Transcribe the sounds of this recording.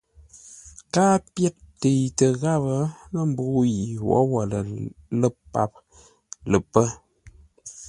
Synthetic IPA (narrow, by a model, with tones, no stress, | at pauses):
kaː˦pjɛ˦t̚te˨jtə˨ɣa˦˨bə˦nə˦˨m̩˨bu˨˦˨ji˨wɔ̰˨˦wɔ˨lə˨lə˦˨ppːa̰˦˨p̚ | lə˨pːə˦